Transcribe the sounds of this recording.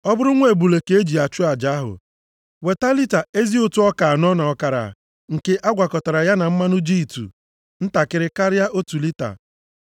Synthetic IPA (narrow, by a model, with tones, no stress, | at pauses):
ɔ˦bʊ˦ɾʊ˦ŋʷe˨bu˨le˨ke˦e˦d͡ʒi˨a˨t͡ʃʊ˦a˨d͡ʒa˨˦ɦʊ̰˨ | we˨ta˦li˦ta˨e˦zi˦ʊ˦tu˦ɔ˦ka˨nɔ˦na˨ɔ˦ka˨ɾa̰˨ | ŋ̩˨ke˦ʔa˦ɡʷa˨kɔ˨ta˨ɾa˨ja˦na˨m̩˦ma˦nʊ˦d͡ʒi˦i˨tṵ˨ | n̩˦ta˨kɪ˦ɾɪ˦ka˦ɾja˦ʔo˦tu˨li˦ta̰˨